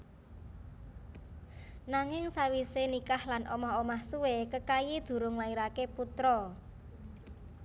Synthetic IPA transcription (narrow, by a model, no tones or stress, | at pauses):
naŋɪŋsawisenikahlanʔomɔɦomahsuwekəkajid̪̥ṳɾʊŋlaiɾakeput̪ɾɔ